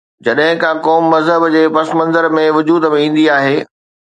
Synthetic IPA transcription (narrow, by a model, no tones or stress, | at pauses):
d͡ʑɐɗɦɪ̃kʰãkɔːmːɐzɦəbd͡ʑeːpɐsmɐ̃nzəɾmẽʋʊd͡ʑuːd̪mẽĩːn̆d̪iaːɦeː